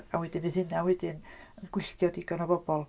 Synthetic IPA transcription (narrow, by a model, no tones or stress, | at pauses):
a̰wɛdɪnvɪð̥hɪnawɛdɪnənɡ̥wɪɬtjɔdɪɡanɔbɔb̥ɔlˠ